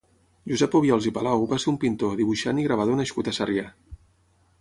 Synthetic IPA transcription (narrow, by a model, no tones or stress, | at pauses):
ʒuzɛpoβiɔlˠzipalawβaseumpint̪oðiβuʃaniɣɾaβ̞að̞onəʃkut̪əsarja